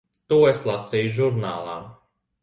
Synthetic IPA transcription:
t̪uːeslˠasijʒuɾnaːlˠa̰ː

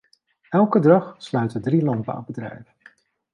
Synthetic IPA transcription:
ɛlˠkədɑχslœɥtədrilɑnd̚ba̰ːbədrɛ̰jvə

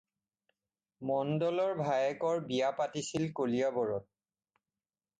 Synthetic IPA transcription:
mɔndɔlɔɹbʱajɛkɔɹbijapatisilkolijabɔɹɔt̚

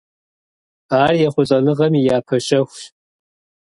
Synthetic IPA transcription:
aːrjɛχʷʊɕʼɐnɨʁɐmijaːpʰɐɕʼɐxʷʃ

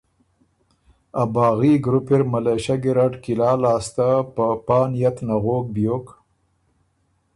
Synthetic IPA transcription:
abɑːɣiɡɾʊpeɾmaleʃaɡiɾaɖkilɑːlɑːst̪apəpɑːnjat̪naɣoːk̚bjoːk

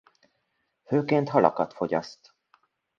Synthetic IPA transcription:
høːkeːnt̪hɑlɑ̰kɑt̪fɔɟɑ̰st̪

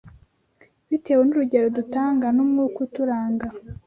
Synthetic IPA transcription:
βite̞ːwenuɾuɟe̞ɾo̞dutaːŋɡanomŋuːkutuɾaːŋɡa

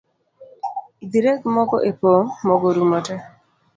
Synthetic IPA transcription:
id̪iɾeɡmɔɡɔʔepomɔɡɔɾumɔtɛ

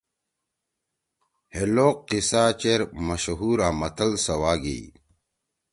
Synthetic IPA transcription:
heloqːisaːt͡ɕeɾmɐɕɦuːɾaːmɐt̪əlsɐwaːɡḛi

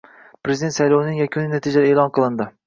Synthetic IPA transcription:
pɾezid̪e̞nt̪sæjlˠownɪŋjɛkʲʰynɪnɛt̪ʰid͡ʒɛɾɛeːlˠɑnqʰəlˠɨnd̪ɨ

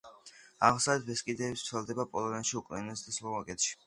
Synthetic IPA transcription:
aʁmsaɛt̪̚ʰbɛskʼid̪ɛːbst̪sʰɛlˠd̪ɛbapʼɔlˠɔnɛnʃiukʼnɛnɛsd̪aslɔmakʼɛt̪ʃi̥

